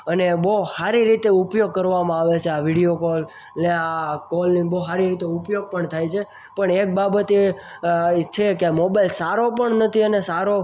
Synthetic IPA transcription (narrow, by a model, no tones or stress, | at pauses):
ənebohaɾiɾit̪eupjoɡ̚kəɾʋamãaʋet͡ʃʰeaʋiɽijokɔl | neakɔlniboɦaɾiɾit̪eupjoɡ̚pəɳt̪ʰajt͡ʃʰe | pəɳek̚babət̪e | t͡ʃʰekemobajlsaɾopəɳnət̪ʰiənesaɾo